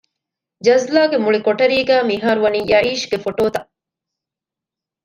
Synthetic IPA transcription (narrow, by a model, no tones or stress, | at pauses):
d͡ʒɐzlaːɡemuɭikoʈɐɾiːɡæːmiɦaːɾuʋɐniːjʔɐiːʃɡefoʈoːt̪ɐ